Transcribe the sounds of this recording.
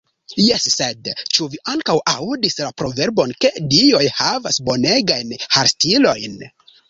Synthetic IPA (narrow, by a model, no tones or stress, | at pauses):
jesːedt͡ʃuviʔaŋkawʔawdislapɾo̞ve̞ɾbo̞nke̞dio̞jhavasbo̞ne̞ɡajnhaɾstilo̞jn